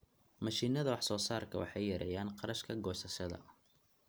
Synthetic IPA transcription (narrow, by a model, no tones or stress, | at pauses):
mɐʃiːnɐðɐwɑħsɔːsaːrkʰɐwɑ̰ħɑjːɐɾʔɛ̰jaːnqɑɾɐʃkʰɐɡɔːsɐʃɐðɐ̰